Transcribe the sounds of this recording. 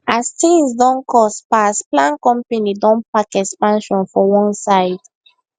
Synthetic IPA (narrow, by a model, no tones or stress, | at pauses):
astĩŋsdɔ̃nkʰɔspasplãnkɔ̃mpanidɔ̃npakɛkspãnʃɔ̃nfɔwɔ̃nsaɪd